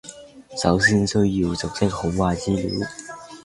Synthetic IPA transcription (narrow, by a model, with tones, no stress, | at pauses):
sɐ˨˥ws̬i˥nsɵ˥ɥji˧wt͡sʊ˨˩k̚sɪ˥k̚ho˨˥ŋwaː˧˩t͡siː˥lḭ˨˥w